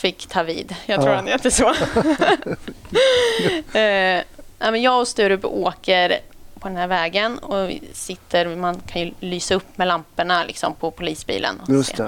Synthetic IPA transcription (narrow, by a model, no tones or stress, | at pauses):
fɪkːt̪ʰɑːvḭːd̪jɑt̪ʰɾṵːɾhanɛt̪ːəso | næɪmɛnjɑːɡɔst̪ʉːɾʉpoːkəɾpʰɔd̪ɛnhæːɾvɛːɡənɔ̰sɪt̪ʰːəɾmankʰanjɵlyːsaɵpːmɛlampəɳalɪ̰ksɔ̰mpʰɔpʰʊliːsbḭːlʔə̰nɔssḛː